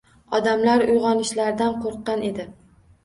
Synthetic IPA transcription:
ɒd̪amlaɾʊjʁɒnɪʃlaɾd̪anqʰoɾqːɑne̞d̪ɪ

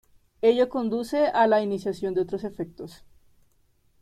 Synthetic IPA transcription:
e̞ʝoko̞nd̪use̞ʔalainisjasjo̞nd̪eot̪ɾose̞fe̞k̚t̪os

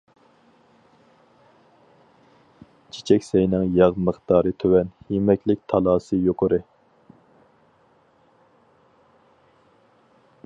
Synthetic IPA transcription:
t͡ʃʰi̥t͡ʃʰɛkʲsɛjnɨŋjɑʁməχt̪ɑːɾɨt̪ʰøwɛnhemɛkʲlɪk̚ʲt̪ʰɑlˠɑːsɨjoqəɾɨ

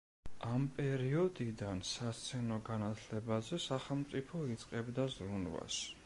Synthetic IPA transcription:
ampʼɛɾiɔd̪id̪ansast̪sʰɛnɔɡanat̪ʰlɛbazɛsaχɛlˠmt̪sʼipʰɔit̪sʼqʼɛbd̪azɾunva̰s

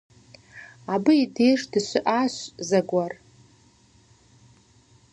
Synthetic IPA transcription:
abɨidejʂdɨʃʷɪʔaʃʷzaɡʷar

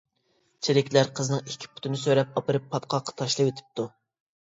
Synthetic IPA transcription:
t͡ʃʰeɾɪkʲʰlæɾqʰəznɨŋikʲʰːi̥pʰʊ̥t̪ʰɪnɪsøɾɛp̚ɑpɨɾɨpʰːɑt̪̚qʰɑqʰːɑ̥t̪ʰɑʃlˠɨwet̪ʰɪ̥p̚t̪ʰu

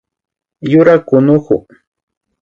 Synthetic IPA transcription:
jʊɾakʊnʊkʊ̰

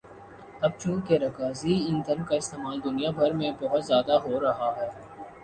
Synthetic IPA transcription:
ɐb̚t͡ʃũːkeɾɐkaːziɪnd̪ʱɐnkaɪst̪eːmaːld̪ʊnijabʱɐɾmẽbɐɦʊt̪zjaːd̪aɦoːɾɐɦaɦɛː

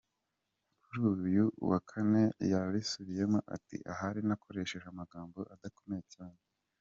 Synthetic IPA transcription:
kuɾuːjujuwakʰane̞jaβisuβije̞moʔa̰tḭʔa̰ɦaɾinakʰo̞ɾe̞ʃe̞ʒamaɡaːmbo̞ʔadako̞me̞jecaːne

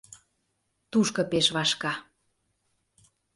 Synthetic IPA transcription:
t̪uʃkɤ̆peʃβɑʃkɑ

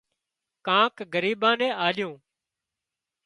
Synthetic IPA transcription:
kãːkɡəɾiːɓãːnẽːʔaːlɪjũː

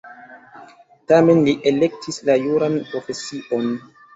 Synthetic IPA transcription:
tame̞nliʔele̞k̚tʰislajuɾanpɾo̞fe̞siʔo̞n

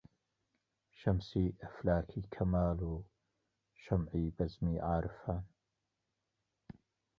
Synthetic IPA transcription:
ʃɐmsiːʔɐflaːkʰiːkʰɐmaːluː | ʃɐmʕiːbɐzmiːʕaːɾɨfaːn

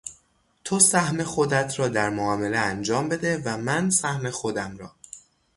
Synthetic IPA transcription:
t̪ʰosæhme̞xod̪æt̪ʰɾɒːd̪æɾmoɒːme̞leænd͡ʒɒːmbe̞d̪e̞væmænsæhme̞xo̞d̪æmɾɒː

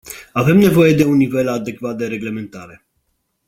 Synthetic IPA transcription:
ave̞mne̞vo̞je̞d̪e̞unːive̞lad̪e̞kvat̪̚d̪e̞ɾe̞ɡle̞me̞nt̪aɾe̞

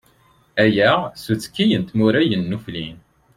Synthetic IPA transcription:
æjæʁsut͡sːə̥kːijənt̪muɾæjənːuflin

